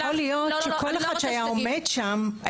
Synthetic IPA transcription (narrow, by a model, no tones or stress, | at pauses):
olijot̪ʃekoleχad̥̪ʃeajaomedʃam